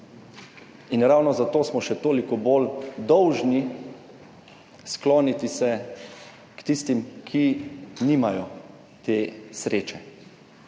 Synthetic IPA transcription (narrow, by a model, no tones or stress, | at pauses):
inɾawnɔzat̪oːsmɔʃɛt̪oːlikɔboːld̪ɔwʒni | skloːnit̪isɛ | kt̪ist̪imkʰiniːmajɔ | t̪eːsɾeːt͡ʃɛ